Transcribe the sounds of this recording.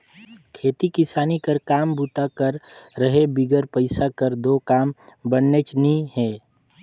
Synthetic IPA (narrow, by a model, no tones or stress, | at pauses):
kʰeːt̪ikɪsaːnikəɾkaːmbuːt̪akəɾːəɦebiɡəɾpəɪsakəɾd̪oːkaːmbənːet͡ʃnəĩɦɛː